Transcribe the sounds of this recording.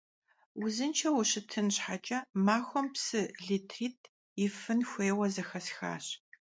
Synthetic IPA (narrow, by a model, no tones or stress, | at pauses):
wʊzɨnt͡ʃʰɐwʊɕɨtʰɨnɕħat͡ʃʼɐmaːxʷɔmpsɨɮiːtʰriːtʰ | ɪfɨnxʷeːwɐzɐxɐsxa̰ːɕ